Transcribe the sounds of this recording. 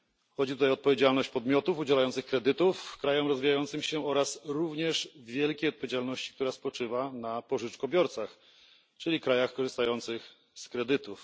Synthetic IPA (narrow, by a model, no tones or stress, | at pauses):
xɔd͡ʑit̪ut̪ajɔt̪̚pɔvʲjed͡ʑalnɔɕt͡ɕpɔd̪mʲjɔt̪ufud͡ʑɛlajɔnt̪sɘxkɾɛd̪ɘt̪ufkɾajɔmɾɔzvʲijajɔnt̪sɘmɕɛɔɾasɾuvɲɛʂvʲjɛlkʲejɔt̪pɔvʲjʲed͡ʑalnɔɕt͡ɕikt̪uɾaspɔt͡ʂɘvanapɔʐɘt͡ʂkɔbʲjɔɾt̪sax | t͡ʂɘlʲikɾajaxkɔʐɨst̪ajɔnt̪sɘx | skɾɛd̪ɘt̪uf